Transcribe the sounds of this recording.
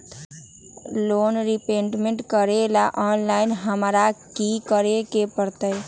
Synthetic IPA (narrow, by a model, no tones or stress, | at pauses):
loːnɾipeɳʈmeɳʈkəɾelaʔɔːnlaɪnɦəmɾakikəɾekepəɾt̪əj